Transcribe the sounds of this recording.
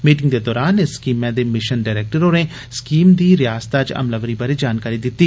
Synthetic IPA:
miːʈɪ̃ŋɡd̪ed̪ɔːɾaːnɪsːkiːmːɛ̃d̪emɪʃənɖaːɾeːk̚ʈəɾonẽ | skiːmd̪iɾjaːst̪ad͡ʒɐ̰mləʋɾibɐɾed͡ʒaːnkaːɾid̪ɪt̪ːiː

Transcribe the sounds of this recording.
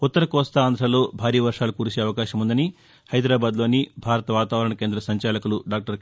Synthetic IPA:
ut̪ːɐɾɐkɔːst̪ɐːnd̪ʱɾɐlo̞ːbʱaːɾiːjɐʋɐɾʂaːlukuːɾut͡ʃeːɐʋɐkaːʃɐmund̪ɐni | hɐjd̪ɾaːbaːd̪loːnibʱaːɾɐt̪ɐʋaːt̪aːʋɐɾɐɳɐke̞ːnd̪ɾɐsɐɲt͡ʃaːlɐkuluɖaːk̚ʈɐɾ

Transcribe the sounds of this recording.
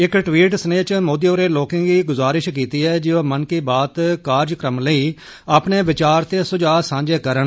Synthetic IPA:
ɪkʈʋiːʈsəneːt͡ʃmoːd̪iːoːɾeːloːkẽːɡiːɡʊzaːɾɪʃkiːt̪iːɛːd͡ʒɪãːmənkiːbaːt̪kaːɾd͡ʒkɾəmləiː | aːpneːʋɪt͡ʃaːɾt̪eːsʊd͡ʒaːsãːɲd͡ʒeːkəɾən

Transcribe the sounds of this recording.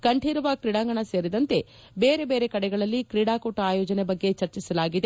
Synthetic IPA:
kɐɳʈʰiːɾɐʋɐkɾiɽaːŋɡɐɳɐse̞ːɾid̪ɐnt̪e̞ | beːɾe̞be̞ːɾe̞kɐɽɛɡɐɭɐlːikɾiɽaːkoːʈaːjɔːd͡ʒɐnebɐɡːe̞t͡ʃɐɾt͡ʃisɐlaːɡid̪e

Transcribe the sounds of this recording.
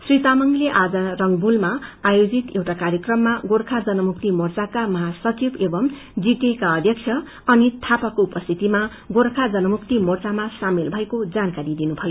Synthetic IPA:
srit̪amʌŋɡleʔad͡zʌrʌŋɡbulmaajod͡zit̪ewʈakaɾjʌkrʌmːaɡoɾkʰad͡zʌnʌmuk̚t̪imort͡sakamʌɦasʌt͡sibebʌm | d͡zit̪ekaʌd̪ʱjʌksʰjʌ | ʌnit̪ʰapakoupʌst̪ʰit̪ima | ɡoɾkʰad͡zʌnʌmukt̪imort͡samasamelbʱʌekod͡zankaɾid̪inubʱʌjo

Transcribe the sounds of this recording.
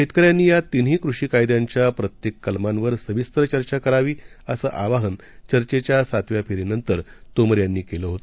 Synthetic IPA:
ɕet̪kəɾjanːiːjat̪in̤iːkɾuʂiːkajd̪jaɲt͡ɕjapɾət̪jekːəlmanʋəɾsəʋist̪ɾət͡ɕəɾt͡ɕakəɾaʋiː | əsəːʔaʋaɦən | t͡ɕəɾt͡ɕet͡ɕjasat̪ʋjapʰeɾinənt̪əɾ | t̪oməɾjanːiːkeləːɦot̪o

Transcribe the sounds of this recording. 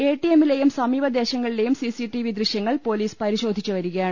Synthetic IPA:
eːʈːijemːile̞jumsɐmiːbɐd̪e̞ːɕɐŋːɐɭile̞jumsisiʈiʋid̪riɕjɐŋːɐɭpo̞ːliːspɐɾiɕo̞ːd̪ʱit͡ɕːuʋɐɾuɣɐjaːɳɨ

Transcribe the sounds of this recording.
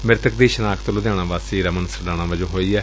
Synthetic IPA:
mɪɾt̪ək̚d̪iːʃənaːkʰt̪əlʊd̪jaːɽ̃ãːʋaːsiːɾəmənsəɖaːɽ̃ãːʋəd͡ʒõːɦoːiːɛː

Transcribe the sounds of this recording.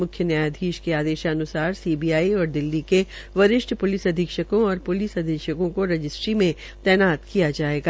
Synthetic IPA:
mʊkʰjənjaːjad̪ʱiːʃkeaːd̪eːʃaɐnʊsaːɾsiːbijaːiɔːɾd̪ɪlːikeʋɐɾɪʃʈʰpʊlɪsɐd̪ʱikʃəkõɔːɾpʊlɪsɐd̪ʱikʃəkõkoɾɐd͡ʒɪsʈɾimẽ | t̪ɛːnaːt̪kijad͡ʒaːeːɡaː

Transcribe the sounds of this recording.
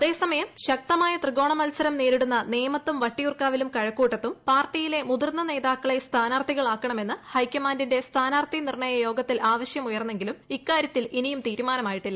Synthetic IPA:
ɐðe̞ːsɐmɐjɐmɕɐk̚t̪ɐmaːjɐt̪rɨɡo̞ːɳɐmɐlsɐɾɐmneːɾiɽunːɐneːmɐt̪ːumʋɐʈːijurkaːʋilumkɐɻɐkːuːʈːɐt̪ːumpaːrʈːijile̞mud̪irnːɐne̞ːðaːkːɐɭe̞st̪ʰaːnaːrt̪ʰiɣɐɭaːkːɐɳɐme̞nːɨhɐjkʲːɐmaːndinde̞st̪ʰaːnaːrt̪inirɳɐjɐjo̞ːɡɐt̪ːilʔaːʋɐɕjɐmujɐrnːe̞ŋɡilumikːaːɾjɐt̪ːilinijumt̪iːɾumaːnɐmaːjiʈːilːɐ

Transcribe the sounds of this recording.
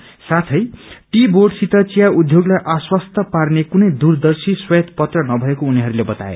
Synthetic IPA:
sat̪ʰʌjʈiborɖsit̪at͡sijaud̪ʱjoɡlajʔaswʌst̪ʌparnekunʌjd̪urd̪ʌrsiswʌt̪pʌt̪rʌnʌbʱʌekouniɦʌɾulebʌt̪a̰ḛ

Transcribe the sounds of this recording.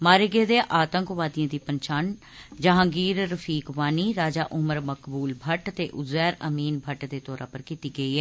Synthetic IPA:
maːɾeɡeːd̪eːʔaːt̪ə̃ŋkʋaːd̪ijãːd̪iːpəɲt͡ʃaːn | d͡ʒəɦãːɡiːɾɾəfʰiːkʋaːniːɾaːd͡ʒaːʔʊməɾməkbuːlbʱəʈt̪eːʔʊzɛːɾəmiːnbʱəʈd̪eːt̪ɔːɾã̰ːpəɾkit̪iːɡəiːɦɛː

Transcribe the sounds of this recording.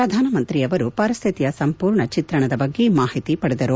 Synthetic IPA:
pɾɐd̪ʱaːnɐmɐnt̪ɾiɐʋɐɾupɐɾist̪ʰit̪ijɐsɐmpuːɾɳɐt͡ʃit̪ɾɐɳɐd̪ɐbɐɡːemaːhit̪ipɐɽed̪ɐɾu

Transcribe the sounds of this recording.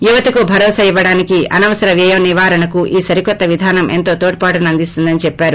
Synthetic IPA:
juʋɐt̪ɐkubʱɐɾɔːsɐiʋːɐɽaːnikiɐnɐʋɐsɐɾɐʋiɐjɐmniʋaːɾɐnɐkuʔiːsɐɾikɔt̪ːɐʋid̪ʱaːnɐmʔḛnt̪o̞ːt̪oːʈ̚paːʈɐnɐnd̪ist̪und̪ɐnit͡ʃɛpːaːɾu

